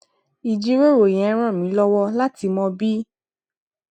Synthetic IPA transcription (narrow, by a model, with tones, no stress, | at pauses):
i˨d͡ʒi˨˦ɾo˦˨ɾõ˨ɛ̃˨˦ɾ̃ɔ̃˦˨mĩ˨˦lɔ˦wɔ˦la˦ti˧mɔ̃˧bi˦